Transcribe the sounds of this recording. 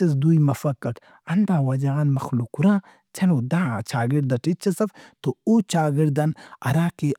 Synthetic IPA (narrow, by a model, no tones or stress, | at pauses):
t͡ʃɐs̬d̪ujmɐfɐkːɐk | ɐnd̪aːwɐd͡ʒaanmɐxlukuɾãː | t͡ʃʰɐnuːd̪aːt͡ʃʰaːɡiɾd̪ɐʈit͡ʃʰːɐsɐft̪out͡ʃaːɡiɾd̪ɐnɐ̰ɾaːki